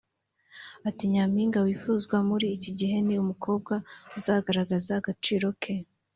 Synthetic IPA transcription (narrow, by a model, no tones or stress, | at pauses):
atiɲamiːŋɡawiːfuːzɡwamuɾiːciɟiɦe̞niumukʰo̞ːb̚ɡauzaːɡaɾaɡazaɡat͡ʃiːɾo̞kʰe